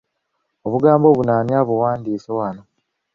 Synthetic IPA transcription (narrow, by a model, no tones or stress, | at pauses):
o̞βuɡaːmbo̞ːβunaːniaβuwaːndiːsowano